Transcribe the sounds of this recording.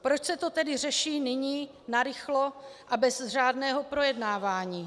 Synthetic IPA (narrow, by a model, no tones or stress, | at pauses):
pɾot͡ʃsɛt̪o̞t̪ɛdɪrɛʃiːnɪɲiː | naɾɪxloʔabɛzr̝aːdnɛːɦo̞pɾo̞jɛdnaːvaːɲiː